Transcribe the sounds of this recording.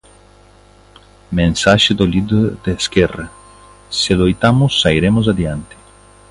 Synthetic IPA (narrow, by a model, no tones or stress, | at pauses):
mẽnsaʃɪd̪olid̪od̪eskɛra | selojt̪amʊsːaiɾemʊz̬ad̪jant̪ɪ̥